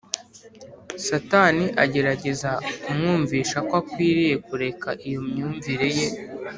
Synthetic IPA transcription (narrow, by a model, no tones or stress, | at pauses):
sataniʔaɟe̞ɾaɟe̞zaumŋuːɱviːʃakwakwiːɾije̞kuɾe̞kaʔijomɲuːɱviɾe̞je̞